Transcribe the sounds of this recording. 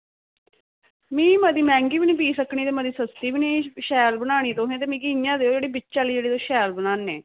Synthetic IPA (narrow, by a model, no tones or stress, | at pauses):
mĩːməd̪iːmɛ̃ːŋɡiːbinĩːpiːsəkɳ̃iːt̪eːməd̪iːsəst̪iːbiːniːʃɛːlbənaːɽ̃iːt̪õːɦẽːt̪̬eːmĩːkiːnjãːd̪eːod͡ʒeːɽiːbɪt͡ʃaːliːd͡ʒeːɽiːt̪õːʃɛːlbənaːnːeː